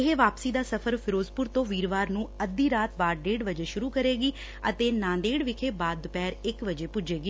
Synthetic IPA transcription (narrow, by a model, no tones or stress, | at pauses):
ɪɦeːʋaːpsiːd̪aːsəpʰəɾpʰɪɾoːzpʊɾt̪õːʋiːɾʋaːɾnũːəd̪ːiːɾaːt̪̚baːɖeːɽʋəd͡ʒeːʃʊɾuːkəɾeːɡiː | ə̰t̪eːnãːd̪eːɽʋɪkʰeːbaːd̪pɛːɾɪkʋəd͡ʒeːpʊd͡ʒeːɡiː